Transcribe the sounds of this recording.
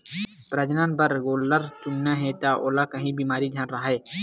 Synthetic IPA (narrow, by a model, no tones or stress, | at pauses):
pɾɐd͡ʒnaːnbɐɾɡoːlːəɾt͡ʃʊnːaɦeːt̪aːʔoːlakəɦĩbiːmaːɾid̪ʱjɐnɾɐɦeː